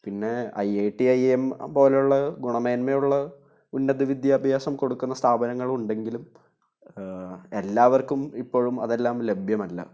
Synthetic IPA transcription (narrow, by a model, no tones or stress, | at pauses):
pinːe̞ɐ̰jeːʈːiɐjempo̞ːlejuɭːɐɡuɳɐmeːnmejuɭːɐ | unːɐðɨʋid̪jaːbʱjaːsɐmko̞ɽukːunːɐst̪ʰaːbɐnɐŋːɐɭuɳɖe̞ŋɡilum | elːaːʋɐrkumipːo̞ːɻumɐ̰ðelːaːmle̞bʱjɐmɐlːɐ̰